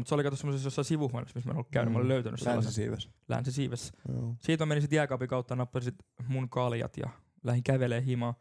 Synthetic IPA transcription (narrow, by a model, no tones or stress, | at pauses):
mut̪seolikɑt̪osemːosesjosːɑsiʋuhɑneksmismæḛnolukæynymɑoliløyt̪æny̰ssḛːɑsessḭːʋslæ̰nsisiːʋessiːt̪mæmeninsit̪jæˑkɑpikɑut̪ːɑnɑpːɑsisit̪munkɑljɑ̰t̪jɑ̰ | læhiŋkæʋeleːhimɑː